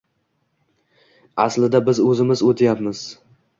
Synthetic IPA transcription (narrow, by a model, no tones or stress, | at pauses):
aslɪd̪abɪzɵzɪmɪzot̪ʰɪjapmɪz̥